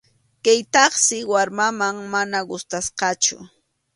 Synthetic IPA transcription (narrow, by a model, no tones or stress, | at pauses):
kajt̪ɑχsɪwaɾmamaŋmanaɢʊst̪asqɑt͡ʃʊ̰